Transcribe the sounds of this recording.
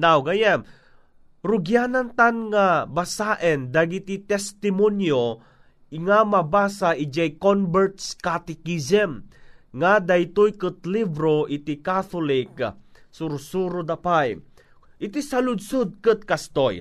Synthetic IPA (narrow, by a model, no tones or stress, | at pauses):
nawɡajan | ɾʊɡjanant̪anŋabasaʔɛnd̪aɡit̪it̪ɛst̪ɪmonjo | ŋamabaːsaʔid͡ʒajkonbɛɹt̪skat̪ɛkisɛmŋad̪ajt̪ojkɨt̪libɾoʔɪt̪ikaθolɪk̚sʊɾsuɾod̪apaj | ʔɪt̪isɐlʊd̪sʊd̪̚kɨt̪̚kast̪oj